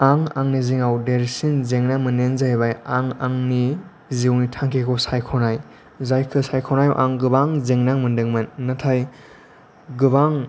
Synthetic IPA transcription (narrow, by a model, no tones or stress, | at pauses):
aŋa̰ŋniziŋawdeɾsinzeŋnaŋmɯnenzajbajaŋaŋni | ziwnitʰaŋkʰekʰɔsajkʰɔnaj | zajkʰɯsajkʰɔnaj̰wʔa̰ŋɡɯbaŋzeŋnaŋmɯndɯŋmɯnːatʰaj | ɡɯbaŋ